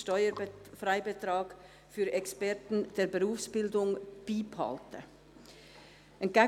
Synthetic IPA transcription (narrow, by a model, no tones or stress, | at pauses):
ʃtɔʏəfraɪbətʁɑːɡ̥ | fyːɾɛkspɛʁtn̩d̥eːɾbəʁuːfsb̥ɪldʊŋb̥iːphɑ̰ltʰə̰ | ɛnɡ̥ɛ